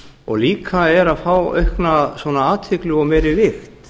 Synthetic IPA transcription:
ɔ̰ɣliːkʰaɛɾaðfaːwœ̰ɥhknasvɔːnaaːt̪hɪklʏɣɔɣmɛːjɾɪvɪxt̪

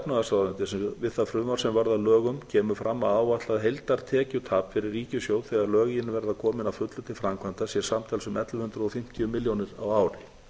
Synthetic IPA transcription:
ɛpnaðasaːwðant̪ɪsɛvɪðθafɾʏmaɾ̥sɛmvaɾðalœːɣʏmcʰɛːmʏfɾʔamːaðaːwvat̪laðɦejlt̪aɾt̪ʰɛːcʏt̪ʰaːpfɪɾɪrːiːcʏsjoːwθɛɣaɾlœːɣɪjɪnʏvɛɾðakʰɔːmɪnafʏt̪lʏt̪ʰɪlfɾamkʰvant̪asjɛɾ̥samt̪ʰaːlsʏmɛt̪lʏhʏnt̪ɾʏɔfɪm̥t̪ɪjʏmɪljownɪɾawaːwɾɪ

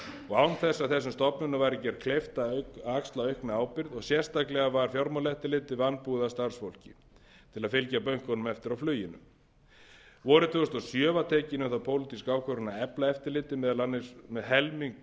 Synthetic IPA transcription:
ɔɣaːwnθɛsːaðθɛsːʏmst̪ɔpnʏnavajɾɪcɛɾkʰleft̪akakst̪laœɥhkmɛaːwpɪɾðɔɣsjɛr̥st̪aklɛɣavaɾ̥fjɔɾmɔlɛht̪ɪlɪːt̪ɪvanːpuðast̪ar̥sfowl̥cɪ̰ | t̪ʰɪlaðfɪlcapœɥŋ̥kɔnʏmɛft̪ɪɾawflœːɥjɪnʏ̰m | vɔːɾʏt̪ʰʏʏst̪ɔsjœːvat̪ʰɛːcɪnʏθawpʰoːwlɪt̪iskaːwkʰœɾʏnaɛplaɛft̪ɪɾlɪːt̪ɪmɛðlanːɪmɛðɦɛlmiŋk

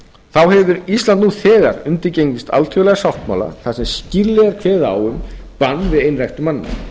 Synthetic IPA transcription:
θawhɛvʏɾist̪lant̪nuθɛːða̰ɾʏnt̪ɪɾcejɲc̪ɪst̪a̰lt̪ʰœɣlɛɣasawht̪maːla̰θasɛmsciɾlɛɣaɾk̪ʰvɛːðaa̰wʏm | panːvɪðejnɾajxt̪ʏmanːɪna̰

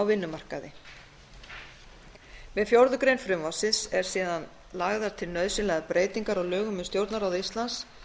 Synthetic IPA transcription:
awvɪnːʏmar̥kaðɪ̰ | vɪðfjowɾðʏkɾejnfɾɪmvɔsɪsɛɾ̥siːðan | laɣðaɾ̥t̪ʰɪlnœðsɪnlɛɣapɾeːjt̪iŋkaɾɔɣlœːɣʏmʏst̪jowɾt̪naɾawðist̪lans

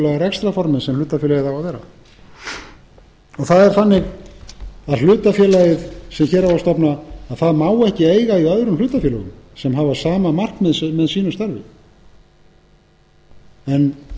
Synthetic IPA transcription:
laɣaɾɛkst̪ɾafɔɾmɪnsɛml̥ʏːt̪afjɛlajɪðhawavɛːɾa̰ | ɔθaðɛɾ̥θanːɪɣ | aðll̥ʏːt̪afjɛːlajɪðsɛmçɛːɾawast̪ɔpnaaðθaðmaːwɛhcɪeːjɣaiœðɾʏmlʏːt̪afjɛːlʏɣʏ̰msɛmɦavasaːmamar̥kmɛðsmɛðsiːnʏst̪aɾvɪ̰ | ɛn

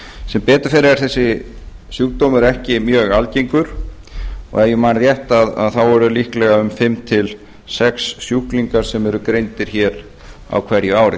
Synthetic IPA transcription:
sɛmpɛːt̪ʏɾ̥fɛːɾɪɛɾ̥θɛsːɪsjukt̪omʏɾɛhcɪmjœːɣalcejŋkʏɾ̥ | ɔ̰ɣɛjʏmaːnðjɛht̪aða̰ðθawɛɾʏlihklɛɣaʏmfɪmt̪ʰɪl | sɛksːjuhkliŋkaɾ̥sɛmɛɾʏkɾejnt̪ɪɾ̥çɛːɾ | a̰wkʰv̥ɛɾjɪaːwɾɪ

